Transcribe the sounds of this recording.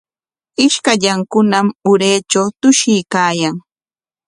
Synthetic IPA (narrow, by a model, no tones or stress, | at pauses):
ɪʃkaʎaŋkʊnamʊɾeːt͡ʃawt̪ʊʃɪjkaːjaŋ